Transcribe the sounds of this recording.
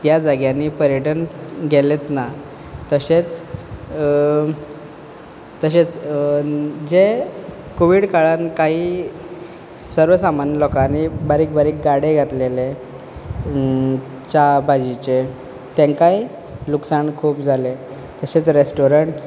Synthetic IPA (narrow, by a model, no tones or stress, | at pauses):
t̪jad͡zaɡjaniːpəɾjəʈənɡʱelet̪na | t̪əɕet͡s | t̪əɕet͡s | d͡ze | koʋiɽkaɭankaɦiː | səɾʋəsamanəlɔkanibaɾiːk̚baɾiːk̚ɡaɽeɡʱat̪lele | t͡ɕabʱad͡ʑit͡ɕe | t̪eŋkai | luksaɳkʰuːpd͡zʱale | t̪əɕet͡sɾesʈoɾəɳʈ